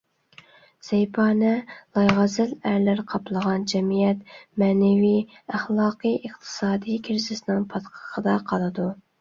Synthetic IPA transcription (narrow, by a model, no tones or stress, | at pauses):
z̥ɛjpʰɑːnɛlˠɑjʁɑzɪlæɾlæɾqʰɑplˠəʁɑnd͡ʒɛmijɛt̪mɛːnɛvij | æχlˠɑːqʰɨjəχt̪ʰɨ̥sɑːd̪ijkʲʰɪɾzɪsɪnɪŋpʰɑt̪qʰə̥qʰəd̪ɑqʰɑlˠɨd̪u